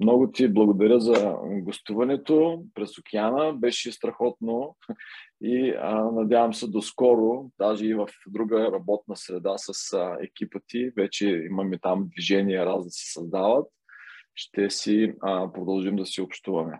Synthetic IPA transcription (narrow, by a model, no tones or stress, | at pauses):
mnɔɡʊt̪iblˠɐɡod̪ɐɾʲjəzɐɡost̪uvɐnɛt̪opɾɛsokʰʲɛanəbɛʃɛst̪ɾɐxɔt̪̚no | iənɐd̪ʲjavəmsɛd̪oskɔɾod̪̥aʒɛivəfd̪ɾuɡəɾɐbɔt̪̚nəsɾɛd̪asəsɛ̰kʲipət̪ivɛt͡ʃɛḭməmit̪amd̪viʒɛniɛɾazd̪ɐsɛ̥sɐzd̪avət̪ | ʃt̪ɛsipɾod̪ɐlˠʒimd̪ɐsiopʃt̪uvɐmɛ